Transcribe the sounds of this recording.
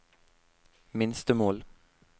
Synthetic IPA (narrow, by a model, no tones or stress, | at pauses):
mɪnst̪əmoːl